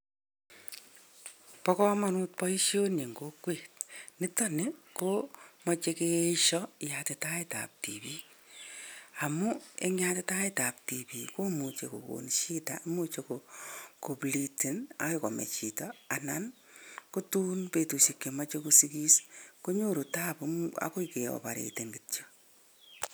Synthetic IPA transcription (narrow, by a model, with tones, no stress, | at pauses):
pɔkɔ˦manut̚pɔ˦i˦ʃjo˦nje˨ŋɡo˦kweːt̚nɪ˦tɔ˦ne˦komɔ˨t͡ʃe˦keeʃɔ˦jate˨ta˦ita̰˨p̚tḭpi˦k | a˨mu˦e˦ŋjateta˦ita˨p̚ti˨pi˨ko˦mu˨t͡ʃe˨ko̰˨ko̰˨nʃi˦ta̰˦mu˦t͡ʃekoko˨bli˨ti˨na̰˦ekɔ˨mḛ˨t͡ʃi˨tɔa˨nan | ko˦tuː˦npe˨tu˨se˨kːe˨mɔ˦t͡ʃe˦ko˦si˦ki˦sko˦ɲo˦ɾu˨ta˦pa̰ko˦ike˨ɔ̰˨pa˨ɾḛ˨teŋɡitt͡ʃo